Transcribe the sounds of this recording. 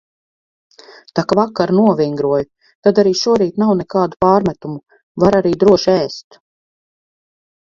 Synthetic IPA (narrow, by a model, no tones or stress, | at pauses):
t̪akvakːaɾnuɔvʲiŋɡɾuɔju | t̪ad̪aɾiːʃuɔɾiːt̪nawnɛkaːd̪upaːɾmæt̪umu | vaɾaɾiːd̪ɾuɔʃɛːst̪